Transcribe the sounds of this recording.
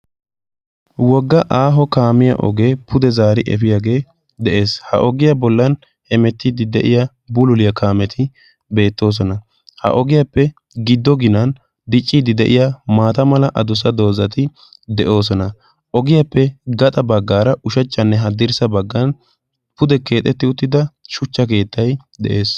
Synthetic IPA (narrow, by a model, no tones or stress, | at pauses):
wɔɡːɐʔaːɦɔkaːmɪjɐ̰ʔɔ̰ɡe̞ːpʰʊd̪ɛzaːɾɪʔɛ̰fɪjaːɡe̞ː | d̪ɛʔe̞ːshɐ̰ʔɔɡɪjɐbɔlːɐn | hɛmɛt̪ːid̪ɪd̪ɛʔɪja | bʊlʊlɪjɐkʰaːmɛt̪ʰɪ | be̞ːt̪ːo̞ːs̬ɔnɐ | hɐ̰ʔɔɡɪjapːɛ | ɡɪd̪ːɔɡɪnɐn | d̪ɪt͡ʃʼːid̪ɪd̪ɛʔɪjamaːt̪ɐmɐlɐʔɐd̪ʊsɐd̪o̞ːzɐt̪ɪ | d̪ɛʔo̞ːs̬ɔnɐ | ʔɔɡɪjapːɛɡɐt̪ʼɐbɐɡːaːɾɐʔʊʃɐt͡ʃʼːɐnːɛɦɐd̪ɪɾsɐbɐɡːɐn | pʊd̪ɛke̞ːt̪ʼːɛt̪ːɪʊt̪ːɪd̪ɐʃʊt͡ʃːɐk̬e̞ːt̪ːɐj | d̪ɛ̰ʔe̞ːs